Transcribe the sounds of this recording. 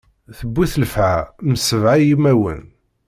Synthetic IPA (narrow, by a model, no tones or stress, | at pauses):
θəbːiθəlfʕaməsəvʕajimæwə̰n